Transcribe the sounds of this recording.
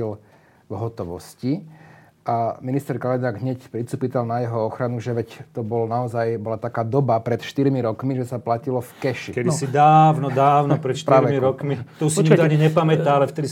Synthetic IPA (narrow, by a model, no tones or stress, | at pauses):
il | vɦɔt̪ɔʋɔ̰sci | aminist̪ɛɾkalɛnaːɡɦɲɛcpɾit͡s̪upit̪alnajɛɦɔɔxɾanuʒɛʋɛct̪ɔbɔlnaɔzajbɔlat̪akaːd̪ɔbapɾɛt̪ʃt̪iɾmiɾɔkmiʒɛsaplacilɔfkɛʃikɛd̪isid̪aːwnɔd̪aːʊnɔpɾɛʃtpɾaːɾʋɛmiɾɔkmit̪ɔusɲaɲiɲɛpamɛt̪aalɛft̪ɛd̪i